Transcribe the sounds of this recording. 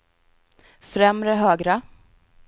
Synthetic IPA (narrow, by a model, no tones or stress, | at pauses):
fɾɛmɾəɦøːɡɾa